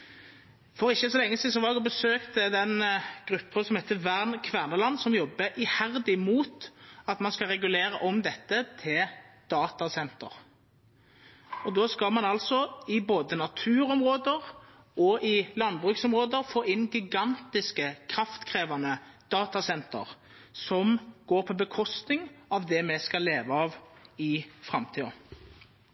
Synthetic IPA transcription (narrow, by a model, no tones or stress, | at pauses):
fɔʁɪçːəsɔlɛŋːəsiːd̪sɔʋɑʁd̪ɛɡɔbəsøːkt̪d̪ɛnɡ̥ʁʉpːənsɔmhɛɪt̪ːəʋæʁnkʰʋæʁnəlɑnːsɔmjɔbːəʔɪhæʁd̪ɪmuːt̪ɑt̪mɑnskɑʁɛɡʉleːʁəʔɔmd̪ɛt̪ːət̪ʰɪld̪̥ɑːt̪ɑsɛnt̪ə̰ʁ | ɔd̪oːskɑlmɑnɑlsɔɪboːd̪ənɑt̪ʰʉːɾɔmʁoːd̪əʁ | ɔʔɪlɑnd̪bʁʉːksɔmʁoːd̪əʁfoːɪnɡɪɡɑnt̪ɪskəkʰʁɑft̪kʰʁeːʋɑnəd̪̥ɑːt̪ɑsɛnt̪ə̰ʁ | sɔmɡ̥oːʁpʰɔbəkʰɔst̪nɪŋɑʋd̪ɛmɛskɑleːʋəɑːʋɪfʁɑmt̪ʰiːɑ̰